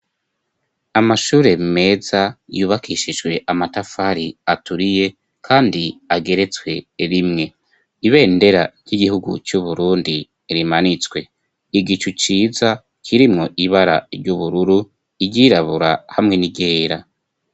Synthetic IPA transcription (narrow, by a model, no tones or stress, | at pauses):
amaʃuːɾe̞me̞ːzajuːβakʰiʃiʒɡwe̞ʔamatafaɾiatuɾije̞ | kʰaːndiaɡe̞ɾe̞t͡swe̞ɾimŋe̞ | iβe̞ːnde̞ɾaɾɟiɡihuɡṵt͡ʃuβuɾuːndi | ɾimanit͡swe̞ | iɡit͡ʃut͡ʃiːza | kʰiɾimŋo̞ʔiβaɾa̰ɾɟuβuɾuɾu | iɟiːɾaβuɾahamŋe̞niɡe̞ːɾa